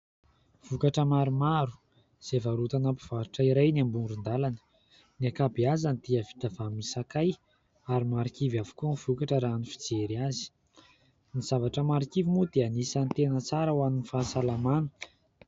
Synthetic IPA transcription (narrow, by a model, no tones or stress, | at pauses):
v̥ukaʈ͡ʂəmaɾumaɾu̥ | z̥evaɾut̪anapiv̥aɾuʈ͡ʂaiɾajniambunɖ͡ʐund̪alanə̥ | niakabiazanid̪̥iəvi̥t̪avamisakaj | aɾimaɾikivavu̥kuniv̥ukaʈ͡ʂəɾanifid͡zeɾiazi̥ | niz̥avaʈ͡ʂəmaɾikivimud̪eanisant̪enət͡saɾəwaminifasalamanə̥